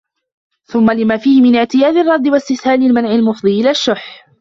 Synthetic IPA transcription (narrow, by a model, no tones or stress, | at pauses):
θʊmːalɪmaːfiːhɪmɪnɪʕt̪ɪjaːd̪ɑrˤːɑd̪ˤːɪwast̪ɪθhaːnɪlmanʕɪlmʊfd̪ˤiːʔɪlaʃːʊħ